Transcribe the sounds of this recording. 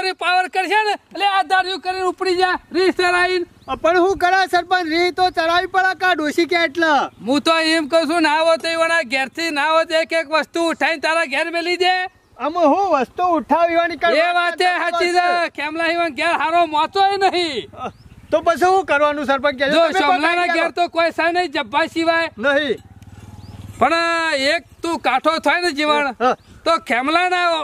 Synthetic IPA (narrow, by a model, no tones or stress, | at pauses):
ɾipaʋəɾkəɾʃenəlead̪aɾjũkəɾinupɽid͡ʒeɾisəɾain | pəɳɦũkəɾasəɾpənɾit̪ot͡ʃəɾaʋipəɭakaɖoʃikeeʈlaɦũt̪oemkəɦũsũnãʋot̪oiʋanaɡɛɾt̪ʰinãʋot̪ekekʋəst̪uːʈʰaint̪aɾaɡʱɛɾmelid͡ʒe | əmɦũʋəst̪uːʈʰaʋiʋanikeʋat̪eɦaid̪akʰɛmlaɦiʋənɡɛɾɦaɾõmɔt̪oenəɦĩ | t̪opət͡ʃʰiɦũkəɾʋanũs̬əɾpənkɛd͡ʒd͡ʒoʃɔmlanaɡɛɾt̪okojsajnəĩd͡ʒəbːaʃiʋajnəɦĩ | pəɳek̚t̪ũkaʈʰot̪ʰɔjned͡ʒiʋəɳt̪okʰɛmlanao